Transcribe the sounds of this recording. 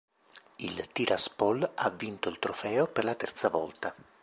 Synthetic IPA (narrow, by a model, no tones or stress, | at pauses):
ilt̪iɾʔaspolavːint̪oilt̪ɾofɛːoperlat̪ɛrt̪savɔlt̪a